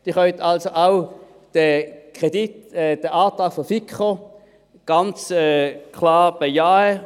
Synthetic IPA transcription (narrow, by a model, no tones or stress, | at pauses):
d̥iχœʏt̪ʰalsoʔaw | d̥ɛkʁ̥ɛditɛd̥əʔaːtaːkfɔfikχə | ɡ̥ant͡sɛkʰlɑːb̥ejaːə